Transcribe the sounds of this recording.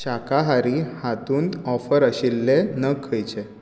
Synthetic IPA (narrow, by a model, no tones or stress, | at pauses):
ɕakaɦaɾiːhat̪uːnt̪ɔfəɾəɕilːenəkʰːəjt͡ɕe